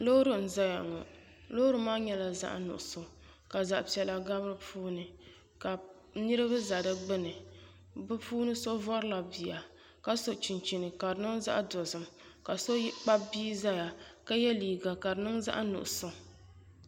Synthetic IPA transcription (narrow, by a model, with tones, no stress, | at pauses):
lo˦ɾɨ˨n̩˨za˦ja˨ŋɔ̰˨ | lo˦ɾɨ˨˦maː˦ɲɛ˦la˨za̰˦ʔnʊ̰˨ʔʊ˨so˨ | ka˨za˨ʔpi˨ɛ˨la˨ɡa˦bɨ˦ɾɨ˦pʰuː˦nɨ˨ | ka˨ | nɨ˦ɾɨ˦βɨ˦za˨dɨ˦ɡ͡bɨ˦nɨ˨ | bɨ˦pʰuː˦nɨ˦so˦vɔ˦ɾɨ˦la˨bi˨ja˨ | ka˦so˨t͡ʃi˨nt͡ʃi˨nɨ˨ka˨ɾɨ˨nɨ˦ŋza̰˦ʔdɔ˨zɨ˨m | ka˨so˦k͡pa˦biː˦za˦ja˨ka˦jɛ˦liː˨ɡa˨ka˨ɾɨ˨nɨ˦ŋza̰˦ʔnṵ˨ʔʊ˨so˦